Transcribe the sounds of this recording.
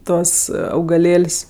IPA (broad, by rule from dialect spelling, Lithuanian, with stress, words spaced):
ˈtuɔs ɐʊɡɐˈlʲeːlʲsʲ